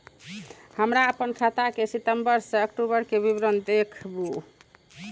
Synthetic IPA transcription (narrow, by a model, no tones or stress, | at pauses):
həmɾaəpənkʰat̪akesit̪əmbəɾsẽəkʈubəɾkebibɾənd̪ekʰbu